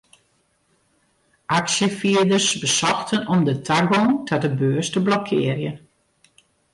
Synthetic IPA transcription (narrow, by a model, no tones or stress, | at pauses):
ʔaksjəfiədərsbəsɔxtʰənɔmdətʰaɡɔtʰadəbøːəstəblɔkʰɪːərjən